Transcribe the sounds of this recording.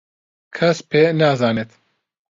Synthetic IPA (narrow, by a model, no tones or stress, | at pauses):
kʰɐspʰeːnaːzaːnet̪